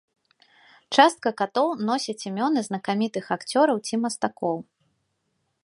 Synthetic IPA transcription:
t͡ʂast̪̚kɐkat̪ɔwnɔsʲɛt͡sʲimʲɔnɨznɐkamʲit̪ɨxakt͡sʲɔɾɐwt͡sʲimɐst̪akɔw

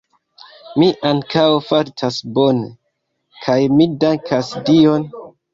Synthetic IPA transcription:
miʔaŋkʰawfaɾtʰasbo̞ne | kʰajmidaŋkʰasdio̞n

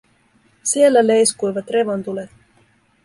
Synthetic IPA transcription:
sie̞lːæle̞jskujʋɑt̪re̞ʋont̪ulet̪

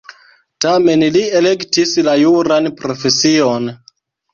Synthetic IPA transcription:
tame̞nliele̞ktislajuɾanpɾo̞fe̞sio̞n

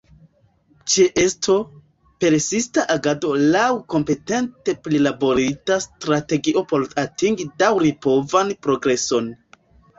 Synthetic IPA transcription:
t͡ʃeʔe̞stʰo̞ | pe̞ɾsistaʔaɡado̞lawko̞mpe̞te̞nte̞plilabo̞ɾitastɾate̞ɡiʔo̞po̞latiŋɡidawɾipo̞vanpɾo̞ɡɾe̞so̞n

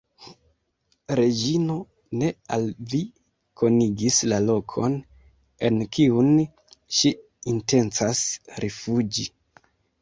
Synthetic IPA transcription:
ɾe̞d͡ʒino̞ | ne̞alvi | kʰo̞niɡislalo̞kʰo̞̰n | e̞nkiun | ʃi | inte̞nt͡sasɾʔefud͡ʒi

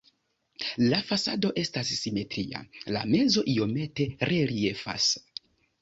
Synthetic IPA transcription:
lafasado̞ʔe̞stasːime̞tɾia̰la̰me̞zo̞ʔio̞me̞te̞ɾe̞ɾie̞fa̰s

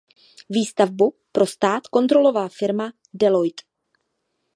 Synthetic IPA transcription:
viːst̪avbu | pɾʔo̞st̪aːt̪ko̞nt̪ɾo̞lo̞vaːfɪɾma | dɛlo̞jt̪

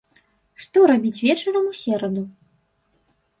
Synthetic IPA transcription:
ʂt̪ɔɾabʲit͡sʲvʲɛt͡ʂɐɾɐmusʲɛɾɐd̪u

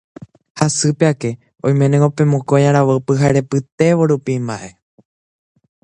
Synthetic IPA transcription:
hasɨpeake̞ | õj̃mẽ̞nẽopẽ̞mõkojãɾaʋəpɨɦaɾe̞pɨt̪e̞ʋo̞ɾupimbaʔe̞

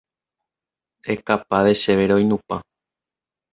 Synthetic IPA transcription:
ekapaðeʃeβeɾojnũpa

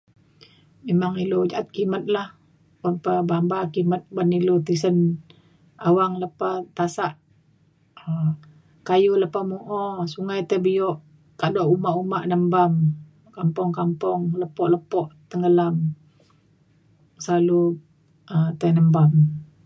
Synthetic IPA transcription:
memaŋilod͡ʒaʔat̪̚kimət̪̚lah | banpəbambakimət̪̚banilot̪is̬ən | awaŋləpat̪asaʔ | ə | kajuləpamuʔɔsuŋajt̪əbijɔʔ | kadɔʔumaʔumaʔnəmbam | kampɔŋkampɔŋləpɔʔləpɔʔt̪əŋɡəlam | səlalu | ət̪ənəmbam

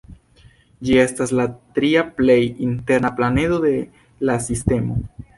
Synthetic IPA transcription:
d͡ʒie̞staslat̪ɾiaple̞jinte̞ɾnaplane̞do̞d̪e̞ | lasiste̞mo̞

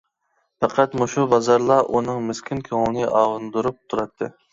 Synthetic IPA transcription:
pæqʰæt̪muʃubɑzɑɾlˠɑʔunɨŋmɪskʲʰinkʲʰøŋlˠnɨʔɑːʁɨnd̪uɾup̚t̪ʰuɾɑt̪ʰːɨ

